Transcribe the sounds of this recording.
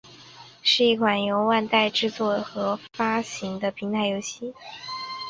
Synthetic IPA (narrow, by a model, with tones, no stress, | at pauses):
ʂɻ̩˥˧i˥˩kʰwa˨˩njo˧˥ʊwa˥˧nt̪a˥˧ɪʈ͡ʂɻ̩˥˧t͡swɔ˥˩xɤ˧˥fa˥ɕi˧˥ŋd̪ə˧pʰi˧˥ŋt̪ʰa˧˥ɪjo˧˥ʊɕi˥˩